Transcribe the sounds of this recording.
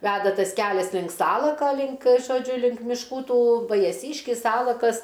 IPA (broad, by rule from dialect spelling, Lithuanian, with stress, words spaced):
ˈʋʲæːdɐ ˈtɐs ˈkʲæːlʲɛs lʲɪŋk ˈsɑːlˠɐkɐ lʲɪŋk ʒoːˈd͡ʒʲʊ lʲɪŋk mʲɪʃˈkuː ˈtuː ʋɐjɛˈsʲiːʃʲkʲɪs ˈsɑːlˠɐkɐs